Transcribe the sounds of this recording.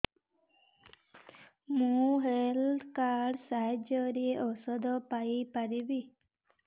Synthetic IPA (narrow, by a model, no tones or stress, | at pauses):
mũɦelɖkaɾɖsaɦed͡ʒɔɾiʔɔsɔd̪ɔpaipaɾibi